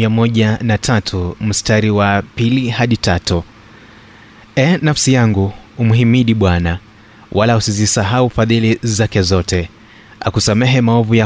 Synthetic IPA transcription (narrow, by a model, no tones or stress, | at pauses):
iamɔʄanatʰatʰum̩staɾiwapilihaɗitatu | ɛnafsijaŋɡuumuɦimiɗiɓwana | wʔalausizisaɦaufaðilizakɛzɔtʰɛ | a̰kusamɛɦɛmaɔvuja